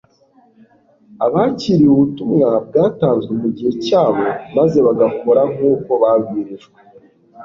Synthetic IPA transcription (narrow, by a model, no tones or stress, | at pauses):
aβaːciɾiuβutumŋab̚ɡaːtaːnzɡemuɟihe̞caːβo̞maze̞βaɡako̞ɾaŋ̥uːko̞βabɡiːɾiʒɡwe